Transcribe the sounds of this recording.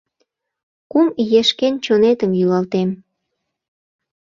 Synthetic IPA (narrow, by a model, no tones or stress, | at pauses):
kumjeʃkent͡ɕonet̪əmjylɑlt̪em